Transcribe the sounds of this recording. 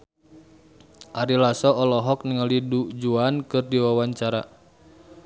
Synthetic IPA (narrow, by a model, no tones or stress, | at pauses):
ʔaɾilasɔɔlɔɦɔk̚niŋəlidud͡ʒuankɨrdiwawaɲt͡ʃaɾa